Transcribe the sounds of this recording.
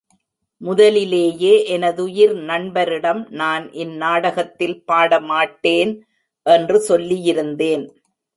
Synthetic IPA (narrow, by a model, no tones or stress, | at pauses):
mʊðɐlɪleːjeːʔɛnɐðʊjɪɾnɐɳbɐɾɪɽɐmnaːnʔɪnːaːɽɐɣɐt̪ːɪlpaːɽɐmaːʈːeːn | ʔɛndrɯsɔlːijɪɾɯnd̪eːn